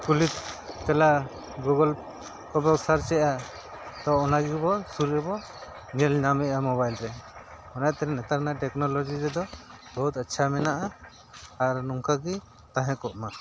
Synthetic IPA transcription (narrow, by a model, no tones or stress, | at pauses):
kulit̪ːɛla | ɡuɡɔl | kɔbɔksaɾt͡ʃɛʔa | d̪ɔɔnaɡibɔsuɾɛbɔ | nɛlɲamɛʔamɔbajlɾɛ | ɔnajt̪ɛɾɛnɛt̪aɾnaʈɛknɔlɔd͡ʒiɾɛd̪ɔbɔɦut̪ətːʃʰamɛnaʔaː | ɾnɔŋkaɡi | t̪ãɦɛ̃kɔʔma